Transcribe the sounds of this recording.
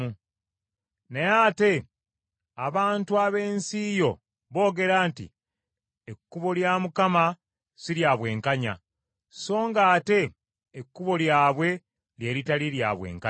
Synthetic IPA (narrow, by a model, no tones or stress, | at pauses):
u | nejaːte̞ | aβaːntuaβe̞ːnsiːjo̞ | βo̞ːɡe̞ɾaːntḭ | ekːuβo̞ljaːmukama | siɾjaːβwe̞ːŋkaɲa̰ | so̞ːŋɡaːte̞ː | kːuβo̞ljaːβwe̞ | lje̞ːɾitalilja̰ːβwe̞̰ːŋka